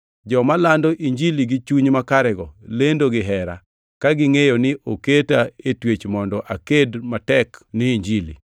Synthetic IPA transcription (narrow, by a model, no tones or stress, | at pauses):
d͡ʒɔmalandoʔiɲd͡ʒiliɡɪt͡ʃuɲmakaɾɛɡɔlendoɡɪɦɛɾa̰ | kaɡɪŋejonɪʔoketaetwet͡ʃmɔndɔʔakedmatɛknɪiɲd͡ʒilḭ